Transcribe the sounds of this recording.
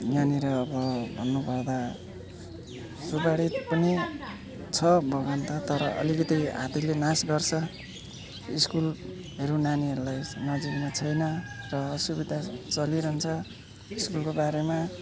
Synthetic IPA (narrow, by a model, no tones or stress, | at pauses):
janiɾʌːbʌbʱʌnːupʌrd̪a | subaɽit̪pʌni | t͡sʰʌbʱʌɡant̪ʰʌt̪ʌɾʌʔʌ̰likʌt̪iɦa̰t̪ilenasɡʌrt͡sʰʌ | iskul | ɦʌɾunaniɦʌɾulajnʌd͡ziknʌt͡sʰʌjnʌrʌsubid̪ʱat͡sʌliɾʌɦunt͡sʰʌ | iskulkobaɾema